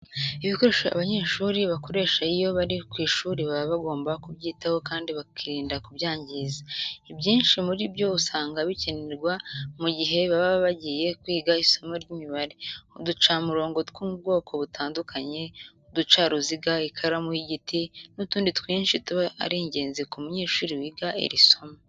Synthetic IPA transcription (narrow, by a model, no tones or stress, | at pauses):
iβiko̞ɾe̞ːʃaa̰βaɲe̞ːʃuːɾiβako̞ɾe̞ːʃaijo̞βaɾikwiːʃuːɾiβaβaβaɡo̞ːmbakubɟiːtaho̞kaːndiβakʰiɾiːndakubjaːɲɟizaibɟiːnʃimuɾibɟo̞βusaːŋɡaβiceneɾɡwamuɟiɦe̞βaβaββaɟije̞kwiːɡaiso̞maɾɟimiβaɾeudut͡ʃaːmuɾo̞ːŋɡo̞tkwuːmub̚ɡo̞ːkʰo̞βutʰaːndukʰaɲe̞udut͡ʃaɾuziɡaikʰaɾamuhiɟitʰinutuːnditwiːnʃituβaa̰ɾiɲɟe̞ːnzikumuɲe̞ːʃuːɾiwiɡaʔḛɾiso̞ma